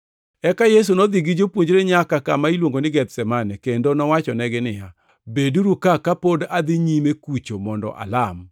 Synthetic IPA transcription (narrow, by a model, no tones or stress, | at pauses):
ɛkajes̬unɔd̪iɡid͡ʒopwoɲd͡ʒɾeɲakakamailwoŋɡonɪɡɛt̪sɛmanɛkendonɔwat͡ʃɔnɛɡɪnɪja | beduɾukakapodad̪ɪɲimekut͡ʃomɔndɔ̰ʔa̰lam